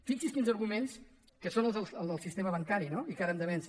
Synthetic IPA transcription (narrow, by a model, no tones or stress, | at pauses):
fiksiskinzəɾɣumens | kəsonəlˠzðəlˠəlˠd̪əlˠsist̪eməβəŋkaɾinoikaɾəmd̪əβɛns